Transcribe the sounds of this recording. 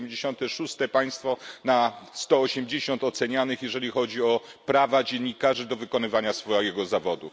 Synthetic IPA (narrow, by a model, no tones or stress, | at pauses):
md͡ʑeɕɔnt̪ɛʂust̪ɛpaj̃st̪fɔnast̪ɔːɕɛmd͡ʑeɕɔnt̪ɔt̪sɛɲanɘxjɛʐɛlʲixɔd͡ʑiɔpɾavad͡ʑeɲːikaʐɘd̪ɔvɘkɔnɘvaɲasfɔɛjɛɡɔzavɔd̪u